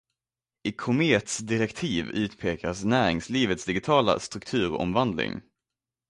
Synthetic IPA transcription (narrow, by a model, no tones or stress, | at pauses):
ʔɪkʰʊmeːt̪sd̪ɪɾɛkt̪ʰiːvʉ̟ːt̪pʰeːkasnæːɾɪŋsliːvət̪sd̪ɪɡɪt̪ʰɑːla̰st̪ɾɵkt̪ʰʉ̟ːɾɔ̰mvand̪lɪ̰ŋ